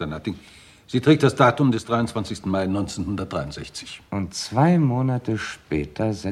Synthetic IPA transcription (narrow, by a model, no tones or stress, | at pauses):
anatɪŋ | z̥iːtʁ̥ɛːk̚td̥asd̥aːtʊmdɛsd̥ʁaɪʊntt͡sv̥ant͡sɪçstn̩maɪnɔʏnt͡seːnhʊndɐt̚d̥ʁaɪʊntz̥ɛçt͡sɪ̥çʔʊntt͡sv̥aɪmoːnatəʃpɛːtʰɐzɛ